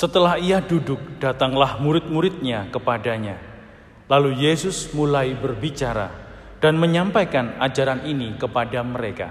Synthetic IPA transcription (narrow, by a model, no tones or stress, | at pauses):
sət̪əlahiadudʊk̚d̥at̪aŋlahmuɾɪt̪̚muɾɪt̪̚ɲakəpadaɲa | lalujesʊsmulaibərbit͡ʃaɾa̰ | d̥anməɲampajkanad͡ʒaɾaninikəpadaməɾeka̰